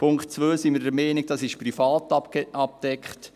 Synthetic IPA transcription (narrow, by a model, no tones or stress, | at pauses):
pʰʊŋkχtt͡sʋøːsimiɾdəmɛːniɡ̚dɑsɪʃprifɑːtɑpkɛɑp̚d̥ɛkχt